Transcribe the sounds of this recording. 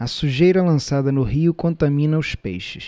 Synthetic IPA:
ɐsuʒejɾɐlɐ̃sad̪ɐnʊɦiʊkõnt̪amĩnɐʊʃpḛjʃɪs

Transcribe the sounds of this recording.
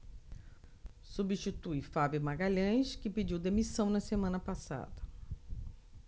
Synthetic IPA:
subiʃt͡ʃit̪ujfabjʊmaɡaʎɐ̃jskɪped͡ʒiwd̪emisɐ̃w̃nɐsemɐ̃nɐpasa̰d̪ɐ

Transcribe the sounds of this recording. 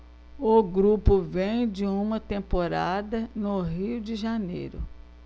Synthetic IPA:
ʊɡɾupʊvẽj̃d͡ʒɪũmɐt̪ẽmpoɾad̪ɐnʊɦiwd͡ʒɪʒanḛjɾʊ̰

